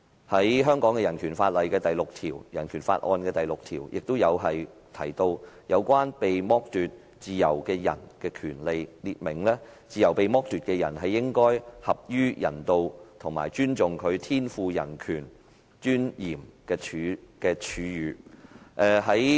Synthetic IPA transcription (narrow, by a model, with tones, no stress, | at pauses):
hɐ˨˥jɦœː˥ŋkɔː˨˥ŋkɛː˧jɐ˨˩nkʰyː˨˩nfaː˧t̚lɐ˨jkɛː˧t̪ɐ˨jlʊ˨k̚t̪ʰiː˨˩wjɐ˨˩nkʰyː˨˩nfa̰ː˧t̚ʔɔ̰ː˧nkɛː˧t̪ɐ˨jlʊ˨k̚t̪ʰiː˨˩wjʔɪ˨k̚t̪o˥wjɐ˨˧wɦɐ˨j | t̪ʰɐ˨˩jt̪o˧wjɐ˨˧wkʷwaː˥npe˨jmɔː˥k̚t̪yː˨t̚ | t͡siː˨jɐ˨˩wkɛː˧jɐ̰˨˩nkɛː˧kʰyː˨˩nle˨˧jliː˧˨t̚mɪ˨˩ŋlɛː˥t͡siː˨˧jɐ˨˩wpe˨jmɔː˥k̚t̪yː˨t̚kɛ˧jɐ˨˩nɦɐ˨jːɪ˥ŋkɔː˥jhɐ˨p̚jyː˥jɐ̰˨˩nt̪o˧wt̪ʰʊ˨˩ŋma̰ː˨˩jt͡ʃyː˥nt͡sʊ˨ŋkʰɵ˨˧ɥt̪ʰiː˥nfuː˧jɐ˨˩nkʰyː˨˩n | t͡ʃyː˥njiː˨˩mkɛː˧t͡ʃʰyː˨˧˥kɛː˧t͡ʃʰyː˨˧˥jyː˨˧ʔɛ˨˧ɦɐ˨˥j